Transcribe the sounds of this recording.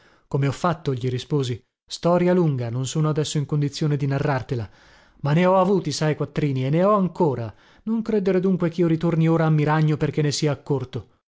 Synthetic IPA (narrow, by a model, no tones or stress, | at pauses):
komeɔfːat̪ːoʎiɾispoːzi | st̪ɔːɾjaluŋɡanonsoːnoad̪ɛsːoiŋkond̪it̪sːjoːned̪inarːart̪ela | manːeɔavuːt̪isajkwat̪ːɾiːnienːeɔaŋkoːɾa | noŋkɾed̪eɾed̪uŋkwek̟iːoɾit̪ornioːɾaːmːiɾaɲːoperk̟enːesiːaːkːort̪o